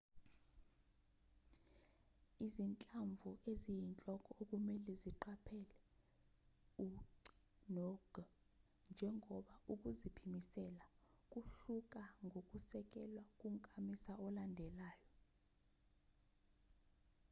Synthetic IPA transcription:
izint͡ɬʼaɱvʱuʔezijint͡ɬʼɔkʼɔok̬ʼumɛlɛziǃapʰɛlɛ | u | nɔɡ̥ʱ | nd͡ʒʱɛŋɔɓauk̬ʼuzipʰimisɛlak̬ʼuɬuk̬ʼaŋɡʱokʼusɛk̬ʼɛlwakʼum̩kʼamisaɔlandʱɛlaːjɔ

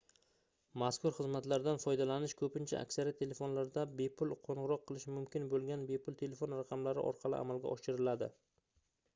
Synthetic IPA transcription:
maskʊɾχɨzmat̪laɾd̪anfɒjd̪alanɪʃkʰɵpɪnt͡ʃʰa̰a̰kʲsaɾijat̪ʰːe̞le̞fo̞nlaɾd̪abe̞pʰʊlˠqʰoɴʁɨɾɒqʰːɨlˠɪʃmʊmkʲɪnbolˠɡʲanbe̞pʰʊlˠt̪ʰe̞le̞fo̞nɾaqʰɑmlaɾɪ̰ʔɒ̰ɾqʰɑlˠɪ̰ʔa̰malˠɡʲa̰ʔɒʃɪɾɪlad̪ɪ̰

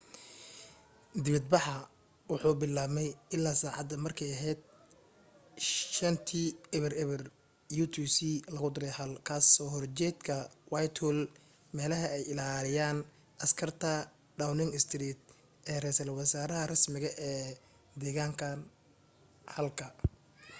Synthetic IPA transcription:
d̪ɪβɐd̪̚bɑħɑ | wʊħuːbɪlːaːmɛjɪlːaːsaːʕɑd̪ɐmɐrkʰɛjɐɦɛːd̪̚ | ʃɐnt̪ʰiːɛβɛrɛβɛr | juːt̪ʰusiːlɐɣʊd̪ɪɾɛjhɐlkʰaːsɔːhɔrt͡ʃɛd̪kʰɐwajt̪ʰʊl | mɛːlɐɦɐɛjɪlaːlɪjaːn | ʔɐskʰɐrt̪ʰɐ | ɖawnɪŋɪst̪ʰɾiːt̪̚ | ɛːrɛːsɐlwɑsaːɾɐɦɐrɐsmɪɣɐʔɛː | d̪ɛːɣaːŋkʰɐn | hɐlkʰɐ

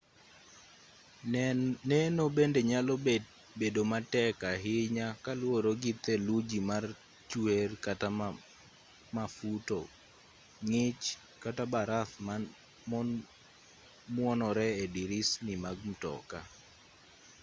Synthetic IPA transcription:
nɛnobendeɲaloe | bedomatɛkaɦɪɲakalwoɾoɡit̪elud͡ʒimar | t͡ʃwerkata | mafuto | ŋɪt͡ʃ | katabaɾaθma | mɔn | mwɔnɔɾɛediɾɪsnɪmaɡ̚m̩tɔ̰ka

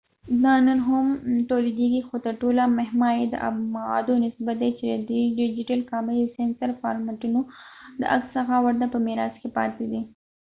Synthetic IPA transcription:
d̪ɑnənɦamʈoled̪eɡixot̪əɾʈolameɦmɑjed̪ə̰ʔa̰mawɑ̰d̪onɪsbat̪̚d̪et͡ʃed̪əd̪ɖɪd͡ʒɪʈalkɑmijsensaɾfɑ̰ɾmaʈunod̪ə̰ʔaksːəxawaɾt̪apəmɪɾɑskepɑ̰t̪ed̪i

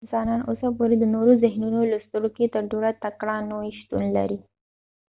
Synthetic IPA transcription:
zɑnɑnosap̬oɾed̪ənoɾozɪɦnunolast̪əɽoket̪əɾɖoɽat̪akɽɑnoʃt̪ṵnla̰ɾi

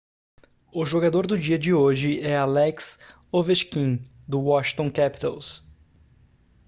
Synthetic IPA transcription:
ʊʒoɡad̪oɾd̪ʊd͡ʒiɐd͡ʒɪoʒɪɛalɛks | oveʃkĩ | d̪ʊwɔʃĩt̪õkɛpi̥t̪aws

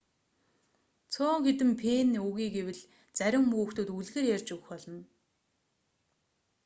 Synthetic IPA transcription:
t͡sʰʊːŋxet̪ɘ̆mpʰeːnuɣiːɡewɘ̆ɮ | t͡sæɾʲɪ̆mːuːxt̪oːt̪uɮɣeːrjærʲt͡ɕɵɣ̆xpɔɮɞ̆n

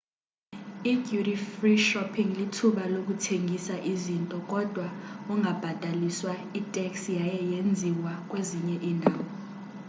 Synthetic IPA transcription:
iɡjuɾifriʃɔpʰiŋlitʰuɓalok̬ʼutʰeŋɡʱisaʔizintʼɔkʼɔd̥ʱwauŋɡʱab̥ʱad̥ʱaliswaitʼɛksjajɛjend͡zʱiwakʼweziɲɛʔiːndʱaːwɔ

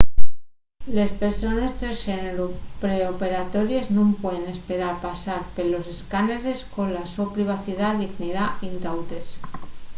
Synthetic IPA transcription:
le̞spe̞ɾso̞ne̞st̪ɾesxeneɾupɾeope̞ɾat̪o̞ɾje̞znũmpwe̞ðene̞spe̞ɾaɾpasaɾpelo̞se̞skaneɾe̞sko̞nlaso̞pɾiβ̞aθiðaðiɣniðaint̪awt̪e̞s

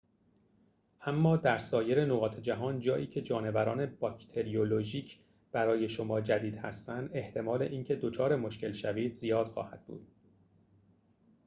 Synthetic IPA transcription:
ʔæmːɒːd̪æɾsɒːje̞ɾe̞noɣɒːt̪ʰed͡ʒæɦɒːnd͡ʒɒːʔiːcʰe̞d͡ʒɒːne̞væɾɒːne̞bɒːcʰt̪ʰeɾijoloʒiːcʰ | b̥æɾɒːje̞ʃomɒːd͡ʒæd̪iːd̪hæ̰st̪ænd̪e̞ht̪ʰe̞mɒːle̞ʔiːncʰe̞d̪ot͡ʃʰɒːɾe̞mo̞ʃkcʰe̞lʃæviːd̪zijɒːd̪̥xɒ̰ːhæd̪̚bṵːd̪̥

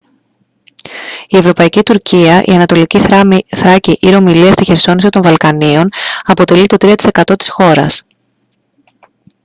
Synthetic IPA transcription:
ie̞vɾo̞pɐicit̪uɾciɐʔḭɐnɐt̪o̞liciθɾɐciʔiɾo̞miliɐst̪içe̞ɾso̞nisit̪o̞ɱvɐlkɐnio̞nɐpo̞t̪e̞lit̪o̞t̪ɾiɐt̪i̥sekɐt̪o̞t̪i̥sxo̞ɾɐ̰s

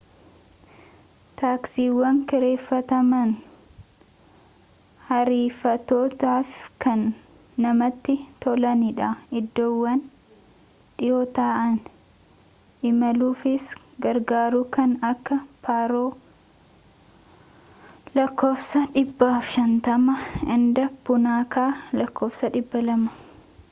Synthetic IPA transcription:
t̪aːksiːwːɐŋkɪɾe̞ːfːɐt̪ɐmɐn | hɐɾiːfɐt̪oːt̪aːfkɐnː | ɐmɐt̪ːɪt̪ɔlɐnɪᶑɐɪd̪ːoːwːɐn | ᶑɪjoːt̪aːʔɐn | ʔɪmɐluːfɪs | ɡɐɾɡaːɾukɐnɐkːɐpʰaːɾoː | lɐkːoːfsɐᶑɪbːaːfʃɐnt̪ɐmɐɪnd̪ɐbʊnaːkaːlɐkʰːoːfsɐᶑɪbːɐlɐmɐ̥

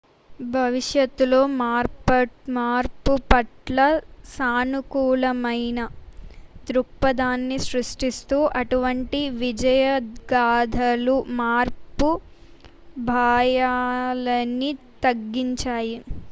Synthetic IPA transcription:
bʱɐʋiʂjɐt̪ːulo̞ːmːɾɐmaːɾpupɐʈlɐsaːnukuːlɐmɐjnɐ | d̪ɾuk̚pɐd̪aːnːisɾuʂʈist̪uːʔɐʈuʋɐɳʈiʋid͡ʒɐjɐɡaːd̪ʱɐlumaːɾpu | bʱaːjaːlɐnit̪ɐɡːiɲt͡ʃaːji

